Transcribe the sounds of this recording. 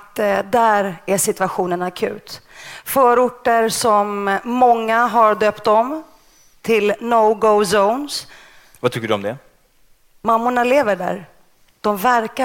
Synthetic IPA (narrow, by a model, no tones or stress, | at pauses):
t̪d̪æɾæʂɪt̪ɵaɧuːnənakʰʉ̟̰ːt̪fœːɾʊʈːəɾsɔmːɔŋːaɦaɾɖ̪øːpt̪ɔm | t̪ʰɪlnoɡosowns | vat̪ʰʏkːəɖɵɔ̰md̪ɛ | mamːʊɳaleːvəɖæ̰ɾ | d̪̥ɔmvæɾka